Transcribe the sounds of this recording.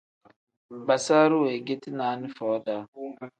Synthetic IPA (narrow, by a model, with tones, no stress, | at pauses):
ba˨sa˦ɾu˦we˨ɡe˦ti˦naː˨˦nɪ˦fɔː˨˦da˨˦